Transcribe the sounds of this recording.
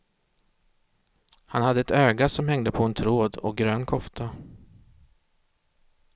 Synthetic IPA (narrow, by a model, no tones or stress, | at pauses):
hanhad̪ːəɛt̪øːɡasɔmhɛŋd̪əpʰɔɛnt̪ʰɾoːd̪ɔ̰k̚ɡɾøːnkʰɔft̪ʰa